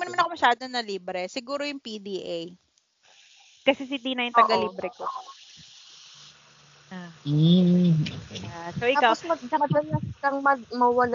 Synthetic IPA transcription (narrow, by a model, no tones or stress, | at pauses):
ɡmɐnɐmanɐkomɐʃaːd̪onɐliːbɾɛsɪɡuːɾojʊŋpid̪iːʔej | kɐsɛs̬id̪inɐjʊnt̪ɐɡɐliːbɾɛko | ʔa | asowʔɪakawosmɐɡ̚d̪ɐɐd̪ɐnɐskɐŋmɐmɐwɐla